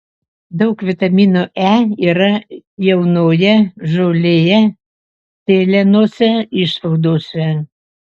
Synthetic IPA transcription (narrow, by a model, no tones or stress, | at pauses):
d̪ɐʊkʋʲɪt̪ɐmʲiːnoːʔæːiːɾɐjɛʊnoːjɛʒoːlʲeːjɛ | t̪ʲeːlʲɛnoːsʲɛɪʃsɐʊd̪oːsʲɛ